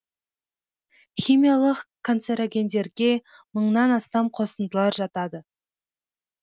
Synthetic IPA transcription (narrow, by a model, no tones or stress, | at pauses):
χʲijmʲijalˠəqkʰːo̞nt̪seɾaɡʲe̞nd̪e̞ɾɡʲe̞məɴnɑnɑst̪ɑmqʰo̞sənd̪əlˠɑɾʒɑt̪ɑd̪ə